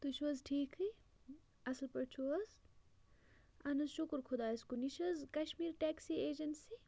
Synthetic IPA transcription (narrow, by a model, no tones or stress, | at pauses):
t̪uʃɐzʈʰiːkʰɨ | ɐslpɐɾt͡ʃʰuɐz | ɐnɐzʃukɾkʰud̪aːiskuniʃɐzkɐʃmiːɾʈeːksieːd͡ʒɐnsi